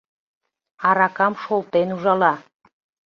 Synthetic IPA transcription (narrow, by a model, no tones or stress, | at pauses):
ɑɾɑkɑmʃolˠt̪enuʒɑlɑ